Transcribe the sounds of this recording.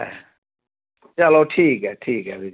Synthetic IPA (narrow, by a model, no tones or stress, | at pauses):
ɛ̰ | t͡ʃaloʈʰiːkɛʈʰiːkɛbʱi